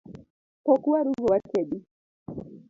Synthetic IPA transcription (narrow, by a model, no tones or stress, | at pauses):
pɔkuaɾuɣɔwakɛɗi